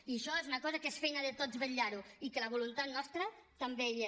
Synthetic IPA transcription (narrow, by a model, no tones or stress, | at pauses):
iəʃɔezunɐkɔzəkesfɛjnəðət̪od͡zβəʎːaɾuikələβulunt̪at̪nɔst̪ɾət̪ambeʎ